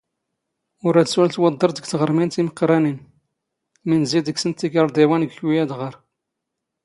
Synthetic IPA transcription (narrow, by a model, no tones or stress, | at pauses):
ʊɾæd̪əswælt̪wɑd̪ˤːəɾd̪əɡt̪ʁəɾˤmint̪iməqːɾˤænin | minzid̪əɡsənt̪ːiɡəɾˤd̪ˤiwænəɡçwijæd̪ʁəɾˤ